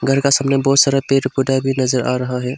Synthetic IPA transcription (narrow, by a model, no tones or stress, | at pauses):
ɡʱəɾkasəmneboːt̪saɾapeʈpuɖabʱinəzəɾa̰ɾəɦaɦɛ